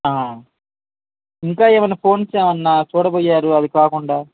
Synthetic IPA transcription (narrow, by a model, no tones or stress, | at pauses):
aː | iŋkaːeːʋɐnːɐpʰo̞ːnt͡ʃeːʋɐnːaːt͡ʃuːɽɐpoːjːaːɾuɐd̪ikaːkuɳɖaː